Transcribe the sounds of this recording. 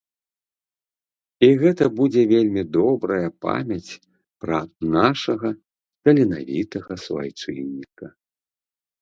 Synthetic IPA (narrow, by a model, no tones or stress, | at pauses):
iɣɛt̪ɐbud͡zʲɛvʲelʲmʲid̪ɔbɾɐjɐpa̰mʲɐt͡sʲ | pɾɐnaʂɐɣɐ | kɐlʲina̰vʲit̪ɐɣɐsva̰jt͡ʂɨ̰nʲːikɐ